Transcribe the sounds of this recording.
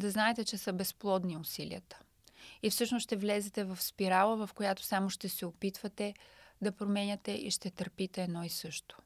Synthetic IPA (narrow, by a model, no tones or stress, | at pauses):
d̪ɐznaɛt̪ɛt͡ʃɛsəbɛsplˠɔd̪niʊsilḭət̪ə̥ | ifsɤʃnosʃt̪ɛvlɛzɛt̪ɛvɐfspiɾalˠəvɐfkojat̪o̥samoʃt̪ɛsɛopit̪vət̪ɛd̪ɐpɾomɛnʲɐt̪ɛʔḭʃt̪ɛt̪əɾpit̪ɛːd̪nɔisɤʃt̪o̥